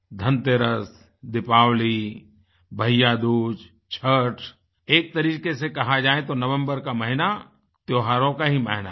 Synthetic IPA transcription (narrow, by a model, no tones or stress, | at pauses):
d̪ʱə̃nt̪eɾəs | d̪ɪpaːwli | bʱəjad̪uːd͡ʒ | t͡ʃʰəʈʰ | eːk̚t̪ɐɾiːqesekɐɦad͡ʒaːẽt̪onɐʋə̃mbəɾkamɐɦɪna | t̪joːɦaːɾõkaɦimɐɦɪna̰